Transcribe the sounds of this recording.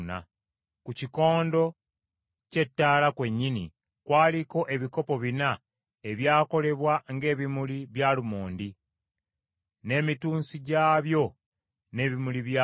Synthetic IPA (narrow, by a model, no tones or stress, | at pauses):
na̰ | kuciko̞ːndo̞ | ce̞tːaːlakwe̞ɲːini | kwaːliko̞ʔe̞βiko̞po̞βina | e̞βjaːko̞le̞βwaŋɡe̞ːβimuliβjaːlumoːndi | ne̞ːmituːnsiɟaːβjo̞ | ne̞ːβimuliβja